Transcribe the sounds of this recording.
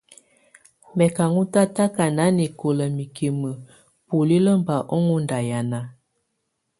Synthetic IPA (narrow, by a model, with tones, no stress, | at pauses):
mɛ˨ka˨ŋu˦ta˦ta˦ka˨na˨˦ni˨ko˨lə˨mi˨ke˨mə˨ | pu˨li˦lə˦m˦ba˨ʔɔ˦ŋu˦nda˨ja˨na˨˦